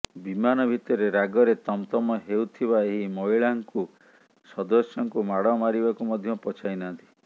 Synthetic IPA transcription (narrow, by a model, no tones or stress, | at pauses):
bimanɔbʱit̪ɔɾeɾaɡɔɾet̪ɔmt̪ɔmɔɦewt̪ʰibaeɦimɔiɭaŋku | sɔd̪ɔsjɔŋkumaɽɔmaɾibakumɔd̪ʱjɔpɔt͡ʃʰainant̪i̥